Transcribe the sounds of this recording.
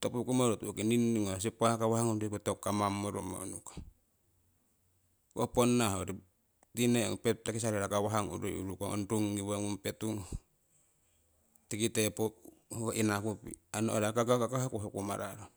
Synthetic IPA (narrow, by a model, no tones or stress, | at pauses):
topukumoɾotukininiŋas̬ipahakawahaŋondikutokːamamːoɾuma̰onukḁ | koponːahoɾi | tineo̰ŋpetakis̬aɾeɾakawaɦaŋṵɾo̰ṵɾukaŋo̰ntuŋːiwaŋumpetuŋ | tikitepohoʔinakupḭanoʔoɾakakakakahakuhokuma̰ɾa̰ɾo